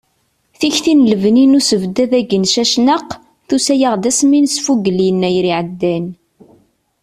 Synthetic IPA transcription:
θiçθinləvninusəvd̪æðæɡənʃæʃnəq | θusæjaʁd̪æsminsfuɡəlinːæjɾiʕəd̪ːæn

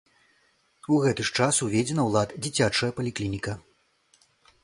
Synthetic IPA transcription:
uɣɛt̪ɨʂt͡ʂasuvʲed͡zʲɛnɐwlˠat̪d͡zʲit͡sʲat͡ʂɐjɐpɐlʲiklʲinʲikɐ

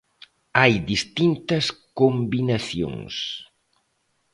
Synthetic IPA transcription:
ajðist̪int̪ɐskombinaθjo̰ŋs

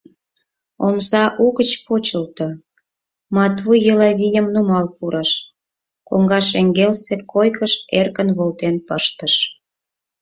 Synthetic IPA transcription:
omsɑʔuɣət͡ɕpot͡ɕəlt̪ə | mɑt̪βujjəlɑβʲijəmnumɑlpuɾəʃ | koŋɡɑʃeŋɡelsekʰojkəʃerkənβolt̪enpəʃt̪əʃ

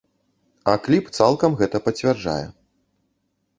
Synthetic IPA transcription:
ɐ̰klʲipt̪salˠkɐmɣɛt̪ɐpɐt͡sʲvʲarʐa̰jɛ̰

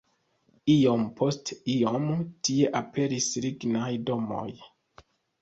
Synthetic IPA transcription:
io̞mpʰo̞stiomtie̞ʔape̞ɾisɾiɡnajdo̞mo̞̰j

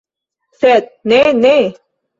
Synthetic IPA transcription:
sɛt̪̚nene

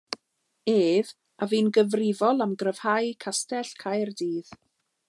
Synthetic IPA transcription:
eːv | aviːnɡəvrɪvɔlˠamɡrəv̥hajkʰastɛɬkʰajrdiːð

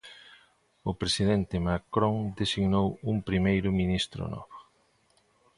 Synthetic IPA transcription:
ʊpɾesiðɛnt̪ɪmakɾõŋd̪esiɡnowumpɾimejɾʊminist̪ɾʊ̰nɔ̰βo

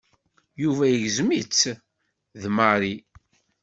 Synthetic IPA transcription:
juvæjəʝzmit͡sː | ðmaɾi

